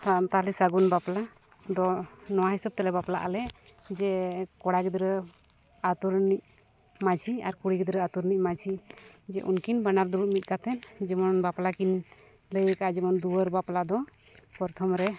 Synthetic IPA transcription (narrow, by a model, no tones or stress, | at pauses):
sat̪alisaɡunbapla | d̪ɔnɔwaɦɛsəb̚t̪ɛlɛbaplaʔalɛd͡ʒɛkɔɽaɡɛd̪ɾə | at̪uɾniʔ | mat͡ʃʰiaɾkuɽiɡɛd̪ɾəat̪uɾniʔ̚mat͡ʃʰid͡ʒɛʔṵnkinbanaɾd̪uɾut̪̚mit̪̚kat̪ʰɛnd͡ʒɛmɔnbaplakin | ləjəkaʔad͡ʒɛmɔnd̪uwəɾbaplad̪ɔ | pɔɾt̪ʰɔmɾɛ